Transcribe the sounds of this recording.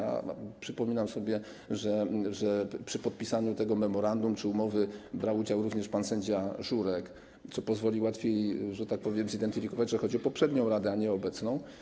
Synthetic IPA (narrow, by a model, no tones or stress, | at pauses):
a̰pʂɘpɔmʲinamsɔbʲjɛ | ʐɛʐɛpʂɘpɔt̪̚pʲisaɲut̪ɛɡɔmɛmɔɾand̪umt͡ʂɘumɔvɘbɾawud͡ʑawɾuvɲɛʂpansɛɲd͡ʑaʐuɾɛk | t̪sɔpɔzvɔlʲiwat̪fʲjejʐɛt̪ak̚pɔvʲjɛmzid̪ɛnt̪ɘfʲikɔvad͡ʑʐɛxɔd͡ʑiɔpɔpʂɛd̪ɲɔ̃w̃ɾad̪ɛaɲɛɔbɛt̪snɔ̃w̃